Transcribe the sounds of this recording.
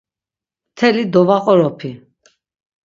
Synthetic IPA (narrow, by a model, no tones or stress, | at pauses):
mt̪ʰɛlid̪ɔvaqʼɔɾɔpʰi